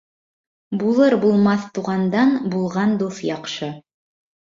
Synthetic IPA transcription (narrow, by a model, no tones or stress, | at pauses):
bulˠɤɾbulˠmɑθt̪uʁɑnd̪ɑnbulˠʁɑnd̪uθjɑqʃɤ